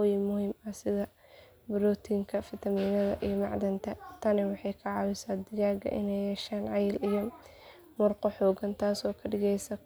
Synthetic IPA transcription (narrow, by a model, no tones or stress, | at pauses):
ʊjimʊhiːmɐsɪðɐ | bɪɾɔːt̪ʰiːŋkʰɐfɪt̪ʰɐmiːnɐðɐ̰ʔijɔmɑ̰ʕd̪ɐnt̪ʰɐt̪ʰɐnɪwɑħɑjkʰɐʕɑwɪsaːd̪ɪɣaːɡɐ̰ʔɪ̰nɛjhɛːʃaːnʕɑjɪlijɔ | mʊrqɔħɔːɡɐnt̪ʰaːsɔːkʰɐɖɪɣɛjsɐ